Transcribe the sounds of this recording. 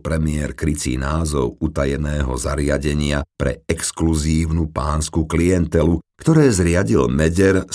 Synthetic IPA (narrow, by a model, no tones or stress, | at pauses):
pɾɛmɪɛɾkɾit͡sḭnaːzɔʊut̪ajɛnɛːɦɔ̰zaɾɪaɟɛɲɪapɾɛ̰ɛkskluziːʊnupaːnskukliɛnt̪ɛlukt̪ɔɾɛːzɾɪaɟilmɛɟɛɾ